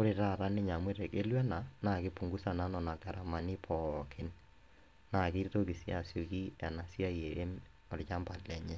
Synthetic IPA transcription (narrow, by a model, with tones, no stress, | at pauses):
ko˦ɾe˨ɾa˦˨ɾa˦ne˦ɲa˨mwe˦ɾe˨ke˦lwɛ˦na˨na˨ɣe˦pu˨ŋɡu˦sa˨na˦nɔ˨na˨ka˨ɾa˨ma˨ni˦pʰɔ˨kʰe˦n | na˨ki˦to˦ki˨sja˨sjo˨ki˦ɛ˨na˨sja˦je˨e˦m | ɔ˨ɾt͡ʃa˦mba˨lɛ˨ɲɛ˦